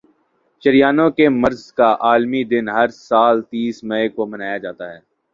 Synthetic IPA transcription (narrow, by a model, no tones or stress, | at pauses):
t͡ʃɐɾijaːnõkemɐɾzkaʔaːlmid̪ɪnɦɐɾsaːlt̪iːsmɛekomɐnaːjad͡ʒaːt̪aɦɛː